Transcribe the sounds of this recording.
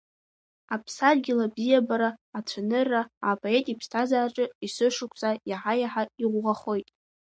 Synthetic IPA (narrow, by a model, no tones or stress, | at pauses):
apʰsarɡʲɪlabzijabaɾaːt͡sʷʰanɨrːaapʼoe̞tʼipʰstʰazaːʈ͡ʂʼɨisɨʂʊkʷʰʼsʼajaħajaħaiʁʷʁaχo̞jtʼ